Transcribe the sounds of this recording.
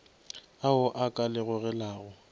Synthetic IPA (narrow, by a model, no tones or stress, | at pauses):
aʊʔakʼalɪɣʊɣɛlaːɣʊ